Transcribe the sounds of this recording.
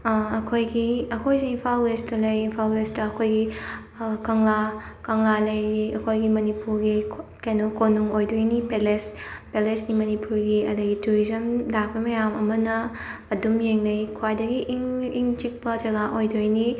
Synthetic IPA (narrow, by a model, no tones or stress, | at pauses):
ɐkʰojɡiɐkʰojsiinpʰalwestɐlɐjinpʰalwestɐɐkʰojɡi | kɐŋlakɐŋlalɐjɾiɐkʰojɡimɐnipuɾɡikajnokonuŋojdojnipelespelesnimɐnipuɾɡiɐdɐɡituɾizɐmlak̚bɐmɐjamɐmɐnɐː | dumjeŋnɐjkʰwajdɐɡiʔŋiŋt͡ʃik̚pɐd͡ʒɐɡaʔojdojni